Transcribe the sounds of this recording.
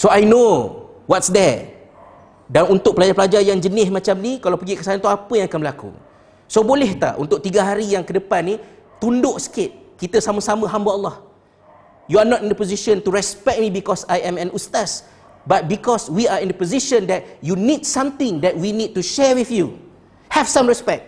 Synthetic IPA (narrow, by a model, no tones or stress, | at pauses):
soajnowɔtsd̪ɛ | danunt̪ʊk̚pəlad͡ʒapəlad͡ʒajaŋd͡ʒənɪsmãt͡ʃamnikalawpəɡikəsaant̪uapəjãŋakanbəlakṵ | sobolɛht̪a̰ʔṵnt̪ʊk̚t̪iɡaɦaɾijaŋkədəpanːi | t̪undʊʔsə̥kɪt̪̚kit̪əsamə̃samə̃ɦambaalːɔh | juanɔtĩndəpoziʃə̃nt̪uɹɛspɛk̚t̚mĩbikɔsajɛ̃mɛ̃nust̪as | bat̪̚bikɔswiaĩndəpoziʃə̃ndɛt̚junidsãmt̪ɪ̃ŋd̪ɛt̚winid̚tuʃɛɹwiθju | hɛv̥sãmɹɛspɛk̚t̚